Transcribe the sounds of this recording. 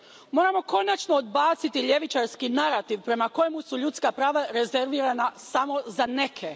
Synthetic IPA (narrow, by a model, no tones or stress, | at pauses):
mo̞ːɾamo̞ko̞nat͡ʃnood̪baːt̪sit̪iʎe̞ʋit͡ʃaɾskinaɾat̪iʋpɾe̞mako̞jemusuʎut̪skapɾaːʋaɾe̞ze̞ɾʋiːɾanasamo̞zane̞kʰe